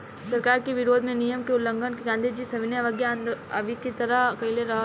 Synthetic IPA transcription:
sɐɾkaːɾkeʋɪɾoːd̪ʱmẽnijəmkeʊlːə̃ŋɡʱənkeɡãːnd̪id͡ʒisɐʋɪnjaʋəɡjaə̃nd̪ɐʋikit̪ɐɾəkɐileɾɐɦa

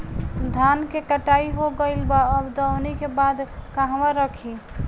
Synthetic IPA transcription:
d̪ʱankekəʈaiɦoɡəɪlbaəbd̪ənikebad̪kaɦʋaɾəkʰi

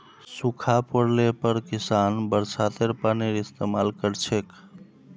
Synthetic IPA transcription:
sukʰapəɽlepəɾkisanbəɾsat̪eɾpaniɾist̪emalkəɾt͡ʃʰek

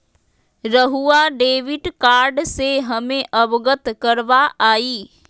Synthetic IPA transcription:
ɾəɦuaɖeːʋɪʈkaːɾɖseɦɐmẽʔɐbɡət̪kɐɾʋaaːiː

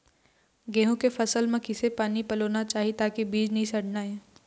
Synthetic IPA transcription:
ɡẽːɦõkefɐsəlmẽkɪsepaːnipɐloːnat͡ʃaːɦiet̪aːkibiːd͡ʒnɐɦĩsɐɽnaɛː

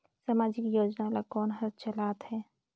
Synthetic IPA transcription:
samaːd͡ʒɪkjoːd͡ʒnalakɔːnɦɐɾt͡ʃɐlaːt̪ɦhɛː

